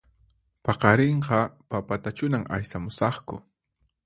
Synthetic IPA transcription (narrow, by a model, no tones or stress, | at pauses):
pɑqɑɾeɴqɑpapat̪at͡ʃʊnaŋa̰jsamʊsɑχkʊ̰